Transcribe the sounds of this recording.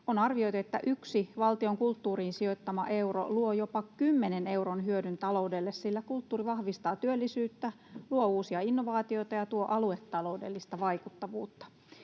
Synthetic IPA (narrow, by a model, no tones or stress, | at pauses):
onɑrʋio̞jt̪uet̪ːæ̰ʔyksiʋɑlt̪ioŋkult̪ːuːriːnsio̞it̪ːɑmɑʔe̞wro̰luojopɑkymːenene̞uwronɦyødynt̪ɑlo̞udelːessilːækult̪ːuːriʋɑhʋist̪ɑːt̪yølːisyːt̪ːæ | luouːsiɑinːoʋɑːt̪io̞it̪ɑjɑt̪uoʔɑluet̪ːɑlo̞udḛlːist̪ɑʋɑikut̪ːɑʋuːt̪ːɑ̥